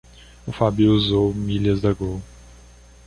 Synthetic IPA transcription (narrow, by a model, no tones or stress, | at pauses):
ʊfabiuzowmilɐzd̪ɐɡow